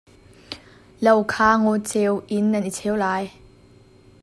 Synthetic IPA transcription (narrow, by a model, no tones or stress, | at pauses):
lɐwkʰaːŋot͡sewʔinːɐnʔit͡sʰewlaːj